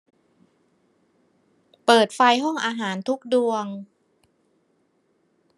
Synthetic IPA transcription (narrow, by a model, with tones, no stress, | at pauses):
pɤː˨˩t̪̚fa˧jɦɔ˥˩ŋʔaː˧ɦaː˩˦nt̪ʰu˦˥k̚du˧əŋ